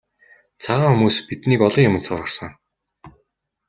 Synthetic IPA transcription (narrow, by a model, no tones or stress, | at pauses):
t͡sʰaʁaːŋxumuːspit̪niːkɔɮɞ̆ŋjʊmɘ̆nsʊrʁə̆rsə̆ŋ